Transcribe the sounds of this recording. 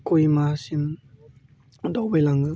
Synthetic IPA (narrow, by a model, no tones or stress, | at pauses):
kujmasim | d̪ɔwbejlaŋɯ